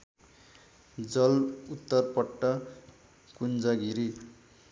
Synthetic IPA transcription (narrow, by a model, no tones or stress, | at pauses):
d͡zʌlut̪ːʌrpʌʈːʌ | kund͡zaɡiɾi